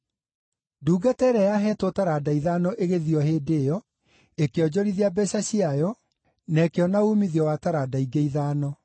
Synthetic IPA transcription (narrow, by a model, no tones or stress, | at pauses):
duːɡatɛɾɛjaɦɛːtwotaɾaːdaiðaːnɔʔeɣeðiɔheːdejɔ | ekeɔd͡ʑɔɾiðiabɛɕaɕiajɔ | nɛkeɔnaumiðiɔwataɾadaiɡeiðaːnɔ